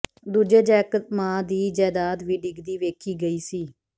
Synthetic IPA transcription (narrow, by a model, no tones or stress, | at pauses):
d̪uːd͡ʒeːd͡ʒɛːkət̪mãːd̪iːd͡ʒɛːd̪aːd̪ʋiːɖɪɡd̪iːʋeːkʰiːɡəiːsiː